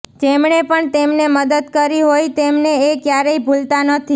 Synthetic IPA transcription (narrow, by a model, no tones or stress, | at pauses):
d͡ʒemɳepəɳt̪emneməd̪əd̪kəɾiɦojt̪emneekjaɾeibʱult̪anət̪ʰi